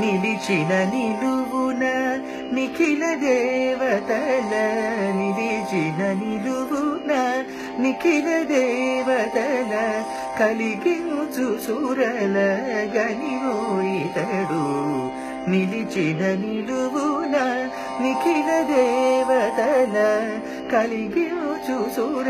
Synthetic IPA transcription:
nilit͡ʃinɐniluʋunɐ | nikʰilɐd̪ɛʋɐt̪ɐlɐnilit͡ʃinɐniluʋunɐ | nikʰilɐd̪ɛːʋɐt̪ɐlɐ | kɐliɡeũd͡ʒusuɾɐlɐɡɐninoːjit̪ɐɽu | nilid͡ʒinɐniluʋunɐ | nikʰilɐd̪eʋɐt̪ɐlɐ | kɐliɡeũd͡ʒusuɾ

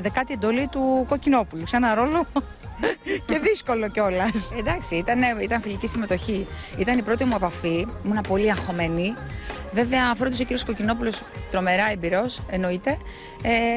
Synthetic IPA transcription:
ðekɐt̪ied̪o̞lit̪uko̞cino̞pulusenɐɾo̞lo̞ | ce̞ðisko̞lo̞ceo̞lɐsed̪ɐksiit̪ɐneit̪ɐnfilicist̪ime̞t̪o̞çiit̪ɐnipɾo̞t̪imue̞pɐfimunɐpo̞liɐxo̞me̞nive̞veɐfɾd̪ɐso̞ciɾijosko̞cino̞pulost̪ɾo̞me̞ɾɐe̞mbiɾo̞se̞no̞it̪e̞ | e

